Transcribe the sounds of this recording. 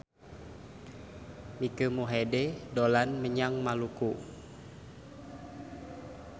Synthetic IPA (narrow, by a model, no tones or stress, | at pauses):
mikəmuɦededolanməɲaŋmaluku